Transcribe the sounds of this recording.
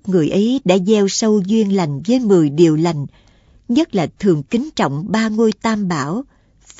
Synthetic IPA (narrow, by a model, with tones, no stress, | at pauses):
ŋɨ˨˩əjʔə˨˦jɗa̰ː˧˥zɛ˧wsə˧wzwi˧ənla˨˩jŋ̟zəː˨˦jmɨ˨˩jɗi˨˩əwla˨˩jŋ̟ | ɲə˦˥t̚laː˨˩t̪ʰɨ˨˩əŋkï˨˦ŋt͡ɕɔ̰˧˨wŋ͡mɓaː˧ŋo˧jt̪aː˧mɓaː˧˩w | f